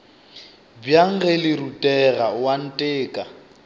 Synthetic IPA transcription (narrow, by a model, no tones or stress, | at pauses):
bjaŋ̩ɣɛlɪɾutʼɛɣawan̩tʼeːkʼa